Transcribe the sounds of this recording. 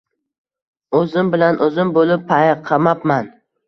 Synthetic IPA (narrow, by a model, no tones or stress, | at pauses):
ɵzɪmbɪlanʔɵzɪmbolɪpːʰajqʰɑmapman